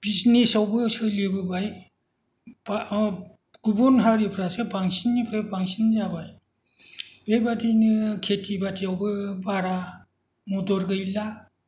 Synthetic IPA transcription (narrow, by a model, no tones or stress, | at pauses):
b̥isnesawbɯsɯlibɯbaj | ba | ɡ̥ubɔnɦaɾipʰɾasɯbaŋsinːipʰɾabaŋsinzabaj | bebatinɯkʰetʰibatʰiawbɯbaɾa | mudɔɾɡɯjla